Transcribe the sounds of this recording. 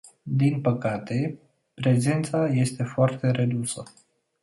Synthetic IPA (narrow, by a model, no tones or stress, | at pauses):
d̪inpəkat̪e̞ | pɾe̞ze̞nt̪saje̞st̪e̞foart̪e̞ɾe̞d̪usə